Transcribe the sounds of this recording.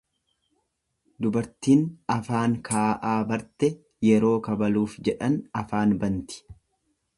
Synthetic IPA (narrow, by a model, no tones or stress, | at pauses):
d̪ʊbɐɾt̪iːnɐfaːŋkʰaːʔaːbɐɾt̪ɛ | jɛɾo̞ːkɐbɐluːfd͡ʒɛᶑɐnɐfaːnbɐnt̪ɪ̥